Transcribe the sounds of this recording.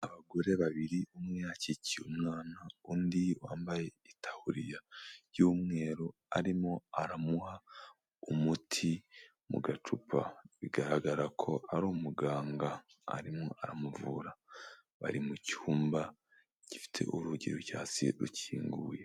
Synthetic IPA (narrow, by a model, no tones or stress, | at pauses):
aβaɡo̞ɾe̞βaβiɾiumwiaciciumŋaːnaundiwa̰ːmbaje̞itʰḁhuɾijajuːmŋe̞ːɾo | aɾimo̞aɾamuha | umutʰi | mṵɡatupʰa̰βiɡaɾaɡaɾakʰo̞aɾuːmuɡaːŋɡa̰ː | ɾimoʔaɾamuvuɾa | βa̰ɾimucuːmba | ɟ̥ifi̥tʰe̞̰ʔuɾuɟiɾocaːsḭɾṵciːŋɡuːje̞